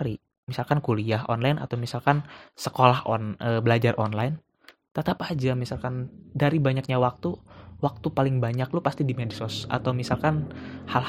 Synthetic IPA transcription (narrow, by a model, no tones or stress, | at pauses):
ɾi | misalkankuliaɦɔnlajna̰t̪awmisalkansə̥kolahɔnəbəlad͡ʒarʔɔnlajn | t̪ət̪apad͡ʒamisalkandaɾibaɲak̚ɲawak̚t̪uwak̚t̪upalɪŋbaɲaklupast̪idimedisɔsa̰t̪awmisalkanhal